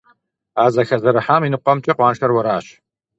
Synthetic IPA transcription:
aːzɐxɐzɐɾɨħaːminɨqʷʼɔmt͡ʃʼɐqʷɑːnʃɐrwɐɾaːɕ

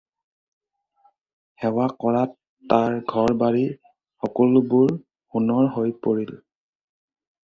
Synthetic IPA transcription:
hɛwakɔɹatː | aɹɡʱɔɹbaɹi | xɔkɔlʊbʊɹ | unɔɹɦojpoɹil

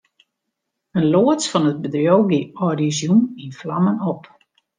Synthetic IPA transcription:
ənloət͡sfɔnət̚bədrjowɡiɔrizjuninflamənop

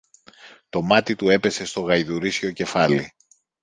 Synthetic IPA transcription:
t̪o̞mɐt̪it̪ue̞pe̞se̞st̪o̞ɣɐjðuɾisʲo̞ce̞fɐli

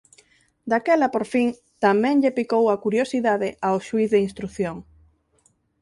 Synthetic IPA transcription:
d̪akɛlapoɾfiŋ | t̪amɛ̃ŋʎepikowakuɾjosiðaðɪʔaoʃuiθðeinst̪ɾuθjoŋ

